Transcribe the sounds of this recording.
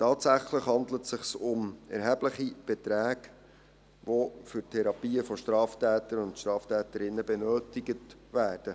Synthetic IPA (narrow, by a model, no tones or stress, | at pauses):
tɑːtsæχləχhɑndlətsɪχsʊmɛɾɦɛbləχib̥ɛtɾæːɡ | ʋofʏrtʰɛɾɑpiːəfɔʃtɾɑːftæːtəɾʊntʃtɾɑːftæːtəɾɪnːəbɛnøːtɪɡətʋæːrd̥ə